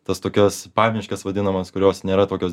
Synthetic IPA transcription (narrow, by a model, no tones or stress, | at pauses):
t̪ɐst̪oːkʲɛspɑːʋʲɪʃʲkʲɛsʋɐd̪ʲɪnɐmɐskʊɾʲoːsnʲeːɾɐt̪oːkʲoːs